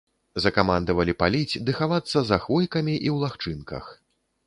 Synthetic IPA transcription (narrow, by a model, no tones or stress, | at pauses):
zɐkamand̪ɐvɐlʲipalʲit͡sʲd̪ɨxavat̪sːɐzaxvɔjkɐmʲiʔiwlˠaxt͡ʂɨnkɐ̰x